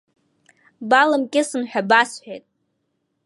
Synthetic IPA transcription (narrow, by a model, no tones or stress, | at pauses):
balɨmkʲʼɪsɨnħʷᶣabasħʷᶣejtʼ